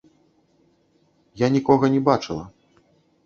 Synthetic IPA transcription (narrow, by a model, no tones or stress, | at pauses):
janʲikɔɣɐnʲɛbat͡ʂɨlˠɐ̰